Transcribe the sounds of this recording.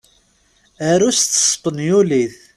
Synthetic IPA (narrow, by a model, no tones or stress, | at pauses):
əɾust̪ːə̥sˤpənjuliθ